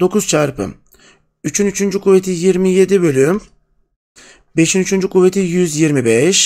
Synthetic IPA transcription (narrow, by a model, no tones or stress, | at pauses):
d̪̥o̞kʰuz̥t͡ʃʰaɾpʰɯ̰m | yt͡ʃʰynyt͡ʃʰynd͡ʒykʰuve̞t̪ʰijiɾmije̞d̪ibø̞lʲym | be̞ʃinyt͡ʃʰynd͡ʒykʰuve̞t̪ʰijyzjiɾmibɛʃ